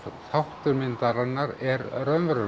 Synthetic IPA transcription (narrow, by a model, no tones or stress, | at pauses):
θawht̪ʏɾmɪnt̪aɾanːaɾɛɾrœnvɾʏ